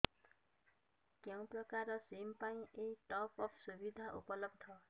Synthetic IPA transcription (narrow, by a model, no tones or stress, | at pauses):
kjaw̃prʌkaɾʌsempaĩʔejʈɔpɔpʰsubid̪ʱaʔṵpʌlʌb̚d̪ʱʌ